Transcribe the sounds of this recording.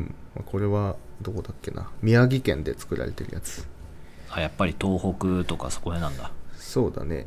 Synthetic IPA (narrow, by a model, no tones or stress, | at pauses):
ma̰kʰo̞ɾe̞βad̪o̞ːd̪akːe̞na̰mʲiaɡʲikẽ̞nd̪e̞t͡sɨ̥kɯ̟ɾʔa̰ɾe̞t̪e̞ɾɯ̟jat͡sɨ̥ | ajapːaɾʲit̪o̞ːho̞kɯ̟t̪o̞ka̰so̞̥ko̞enãnd̪aso̞ːd̪a̰ne̞̰